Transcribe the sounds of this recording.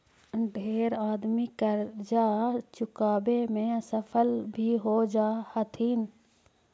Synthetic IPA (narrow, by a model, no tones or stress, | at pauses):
ɖʱeːɾaːd̪mikəɾd͡ʒaːt͡ʃʊkaːbemẽsəpʰəlbʱiɦoːd͡ʒaːhət̪ʰiːn